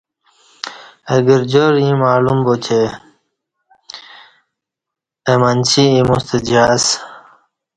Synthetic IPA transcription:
eɡiɾd͡ʑoɾĩmaːlumbot͡ɕʰe | emant͡ɕiimust̪ed͡ʑas

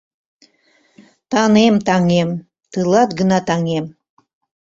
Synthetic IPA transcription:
t̪ɑnemt̪ɑŋem | t̪ɯlˠɑt̪ɡənɑt̪ɑŋem

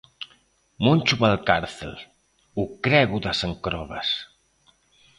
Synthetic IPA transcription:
munʲt͡ʃuβalkaɾθḛl | ukɾɛɣuðasəŋkɾɔβas

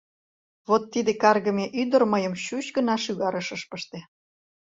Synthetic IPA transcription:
βot̪ːid̪ekɑrɣəmeʔyd̪ərməjəmɕut͡ɕɡənɑʃyɣɑɾəʃəʃpəʃt̪e

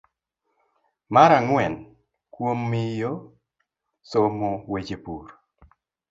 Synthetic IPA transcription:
maɾaŋwɛn | kwomːɪjo | somowed͡ʒepuɾ

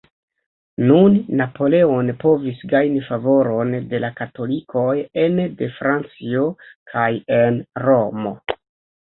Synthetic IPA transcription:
nunːapo̞le̞onpo̞visɡajnifavo̞ɾo̞nde̞lakato̞likʰo̞jende̞fɾant͡sio̞kʰajenɾo̞mo̞̰

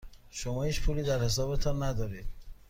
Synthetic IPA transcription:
ʃomɒːhiːt͡ʃpʰuːliːd̪æɾhe̞s̬ɒːbe̞t̪ʰɒːnːæd̪ɒːɾiːd̪̥

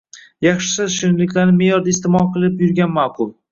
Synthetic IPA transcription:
jɑχʃɪ̥sɪʃɪnlɪkʲlaɾnɪmejɒɾd̪aɪst̪ɪmɒlˠqʰɨlˠɪpjʊɾɡʲanmɑːqʰʊlˠ

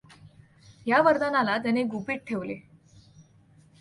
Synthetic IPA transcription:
jaʋəɾd̪analat̪añeɡupiːʈ̚ʈʰeʋle

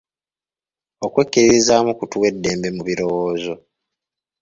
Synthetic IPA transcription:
okwe̞kːiɾiɾizaːmukutuwe̞dːe̞ːmbe̞muβiɾo̞woːzo̞

